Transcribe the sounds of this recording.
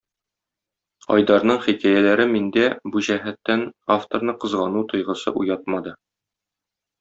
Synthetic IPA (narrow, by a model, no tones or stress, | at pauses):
ɒ̰jd̪ɑɾn̪ɤɴχikæjælæɾɘmind̪æbuʑæɦæt̪ːænaft̪oɾnɤqɤ̆zʁɑnut̪ŏjʁɤ̆sɤ̰ʔujɑt̪̚mɑd̪ɤ